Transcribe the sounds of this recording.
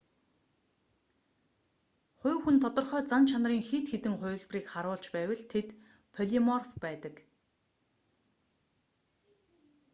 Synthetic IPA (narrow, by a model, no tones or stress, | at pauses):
χʊ̟ːwxunt̪ʰɔt̪ɞ̆rχœːt͡sant͡ɕʰanriːŋxit̪xet̪ɘ̆ŋχʊ̟ːɮpriːkχaɾʊːɮt͡ɕpæːwə̆ɮt̪ʰet̪ | pʰɔɮimɔrfpæːt̪ə̆k